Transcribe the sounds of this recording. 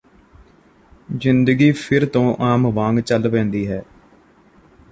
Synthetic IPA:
zɪnd̪əɡiːpʰɪɾt̪õːʔaːmʋãːŋɡt͡ʃəlpɛ̃ːnd̪iːɦɛː

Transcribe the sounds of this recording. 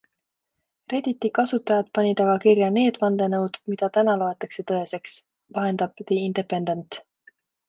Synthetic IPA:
re̞d̪̥it̪ːikɑsut̪ːˑɑjɑd̪̥̚pɑnʲid̪̥ɑɡ̥ɑkirjɑne̞ːd̪̥vɑnd̪e̞nɤwd̪̥mid̪̥ɑt̪ænɑloet̪ːˑɑkse̞t̪ɤe̞se̞ks | vɑɦe̞nd̪̥ɑb̥d̪eind̪̥epːe̞nd̪e̞nt̪

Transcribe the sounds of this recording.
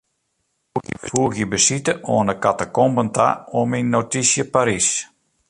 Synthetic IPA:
fuəxjəbəsitəoənəkatəkɔmbənta̰ominːotisjəpaɾis

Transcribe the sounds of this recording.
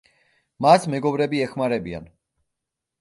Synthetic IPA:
masmɛɡɔbɾɛbiɛχmaɾɛbia̰n

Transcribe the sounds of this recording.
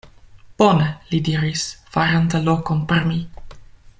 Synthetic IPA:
b̥onelid̪iɾisfaɾant̪əlokonpeɾmi

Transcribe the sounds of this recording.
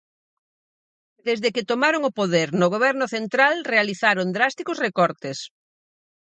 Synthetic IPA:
d̪ezðekɪt̪omaɾoŋʊpoðeɾnʊɣ̞oβ̞ɛɾnʊθent̪ɾalrealiθaɾond̪ɾast̪ikʊsrekɔɾt̪es

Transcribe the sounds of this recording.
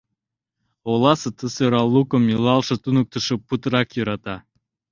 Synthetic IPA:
olˠɑsɨt̪ʰɨsoɾɑlˠːukomilˠɑlˠʃə̆t̪unuk̚t̪ʰɨʃɨpːut̪ɾɑkjuɾɑt̪ɑ

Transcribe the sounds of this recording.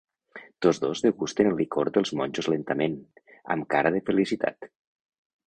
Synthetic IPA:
t̪ozðozðeɣust̪enlˠikoɾd̪əlˠzmɔnʲʒozlent̪əmenə̰mkaɾəð̞efelisit̪ʰa̰t̪

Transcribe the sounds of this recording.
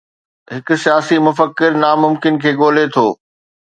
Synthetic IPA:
ɦɪkʊ̆sijaːsimʊfəkːɪɾnamʊmkɪnkʰeːɠoːlet̪ʰoː

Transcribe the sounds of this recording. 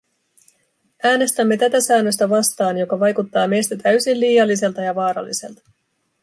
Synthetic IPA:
æːne̞st̪æmːe̞t̪æt̪æsæːnːøst̪æʋɑst̪ɑːnjo̞kɑʋɑjkut̪ːɑːme̞jst̪æt̪æɥsinliːjɑlːise̞lt̪ɑjɑʋɑːɾɑ̰lːise̞̰lt̪ɑ̥

